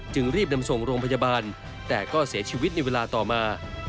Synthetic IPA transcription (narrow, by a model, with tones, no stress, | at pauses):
t͡ɕɯ˧ŋɾiː˥˩p̚na˧mso˨˩ŋɾoː˧ŋpʰa˧jaː˧baː˧n | t̪ɛː˨˩kɔː˥˩si˩˦ɐt͡ɕʰiː˧wi˦˥t̪̚na˧jweː˧laː˧t̪ɔː˨˩maː˧